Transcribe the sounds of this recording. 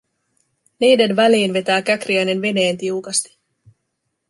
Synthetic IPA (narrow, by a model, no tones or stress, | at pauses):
niːde̞nʋæliːnʋe̞t̪æːkækriæjne̞nʋe̞ne̞ːnt̪iukɑst̪i̥